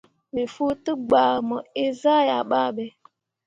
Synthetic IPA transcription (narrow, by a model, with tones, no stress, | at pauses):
me˨fu˦tʊ˦ɡ͡ba˨mɔ˨e˦za˦˨ja˨ɓa˦˨be˦